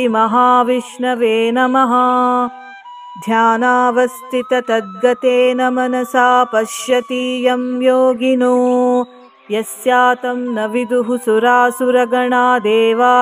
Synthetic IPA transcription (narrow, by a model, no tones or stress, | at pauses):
mɐɦaːʋiʂɳɐʋeːnɐmɐɦɐ | d̪ʱjaːnaːʋɐst̪ʰit̪ɐt̪ɐd̪̚ɡɐt̪eːnɐmɐnɐsaːpɐʃjɐt̪iːjɐmjoːɡinu | jɐsjaːt̪ɐmnɐʋid̪uɦusuɾaːsuɾɐɡɐɳaːd̪eːʋaː